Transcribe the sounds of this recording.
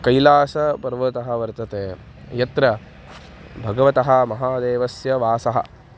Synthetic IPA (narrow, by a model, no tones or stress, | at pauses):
kɐjlaːsɐpɐɾʋɐt̪ɐɦɐʋɐɾt̪ɐt̪eː | jɐt̪ɾɐ | bʱɐɡɐʋɐt̪ɐɦɐ̆mɐɦaːd̪eːʋɐsjɐʋaːsɐɦɐ̰